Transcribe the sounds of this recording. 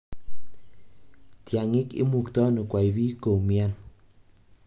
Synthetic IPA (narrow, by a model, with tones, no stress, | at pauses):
tja˨ŋɪ˦kɪ̰˦mu˨ktɔ˦no˨kwa˨i˨bi˦ko˨mja˦n